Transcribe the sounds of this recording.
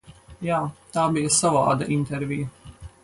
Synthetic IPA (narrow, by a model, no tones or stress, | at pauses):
jaːt̪aːbijɐsava̰ːd̪ɐ̰ʔint̪ɛɾvʲijɐ